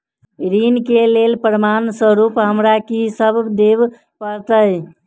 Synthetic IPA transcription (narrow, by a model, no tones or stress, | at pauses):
ɾinkelelpɾəmansəɾupɦəmɾakisəbd̪eb | pəɾt̪əj